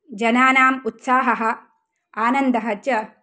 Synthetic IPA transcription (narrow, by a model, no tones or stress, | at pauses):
d͡ʒɐnaːnaːmut̪saːɦɐɦɐ̆ | aːnɐnd̪ɐɦɐt͡ʃjɐ